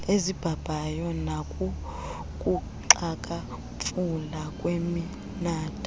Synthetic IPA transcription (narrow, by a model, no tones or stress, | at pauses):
ezib̥ʱab̥ʱajɔnakʼu | kʼu | ǁakʼa | fʰʼulakʼwemi | naːtʼa